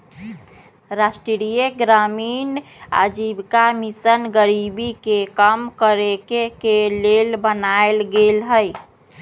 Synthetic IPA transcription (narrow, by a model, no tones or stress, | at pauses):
ɾasʈɾiɾijeɡɾamiːna̰d͡ʒibkamisənɡəɾibikekəmkəɾekekelelbənaelɡelɦəj